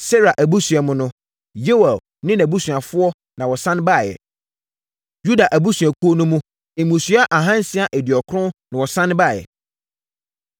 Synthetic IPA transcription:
sɛ˦ɾa˨ʔæ˨bu˦sɥa˨mʊ̃˦nʊ̃˦ | je˦wa˨ | nɪ̃˦næ˨bu˦sɥ̃a˨fʊ˦ɔ˦ | nã˨wɔ˨sã˦n˦ba˦˨jɛ̰˨ | ju˦da˨ʔæ˨bu˦sɥæ˨kʰu˦o˦nʊ̃˦mũ˦ | e˨mũ˨sɥa˦ʔa˨ɦã˦n˦sɪ˦a˨ʔɛ˨dɪ˨ɔ˨kʰɾʊ̃˦nã˨wɔ˨sã˦n˦ba˦˨jɛ̰˨

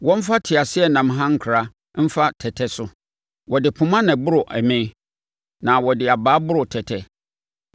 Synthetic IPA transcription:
wɔ̃˦m̩˦fa˦tʰɪ˨a˨sɪ˦ɛ˦nã˨mɦã˦ŋ̩˨kʰʊ˨ɾa˦ | m̩˦fa˦tʰɛ˨tʰɛ˦sʊ˦ | wʔɔ˨dɪ˨pʰʊ˨mã˦nɛ̃˨bʊ˦ɾʊ˨ʔɛ˨mɪ̃˦ | nã˨wɔ˨dɪ˨a˨baː˨˦bʊ˦ɾʊ˨tʰɛ˨tʰɛ˦

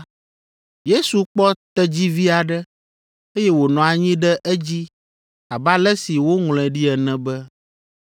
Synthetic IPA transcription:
je˦su˨k͡pɔ˦t̪ɛ˦d͡ʑi˦vi˦a˨ɖɛ˦ | e˦jɛ˦wo˨nɔ̃˨a˨ɲĩ˦ɖɛ˦ʔɛ˦d͡ʑi˦ | a˨ba˦lɛ˦si˨wo˦ŋl̃ɛ̃˨ɖi˦ɛ˨nɛ̃˦bɛ˦

